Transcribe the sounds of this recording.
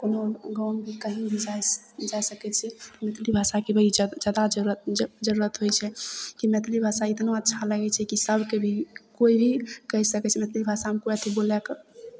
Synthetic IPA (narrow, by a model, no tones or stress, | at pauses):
konoɡambʱikəɦĩbʱid͡ʒad͡ʒajsəkɛt͡ʃʰɛmet̪libʱasakebəɦid͡ʒad̪ad͡ʒɾd͡ʒəɾuɾət̪ɦojt͡ʃʰɛkimet̪libʱasait̪noətːʃʰaləɡɛt͡ʃʰɛkisəbʱkebʱikoibʱikəɦisəkɛt͡ʃʰɛmet̪libʱasamekoət̪ʰibolɛkə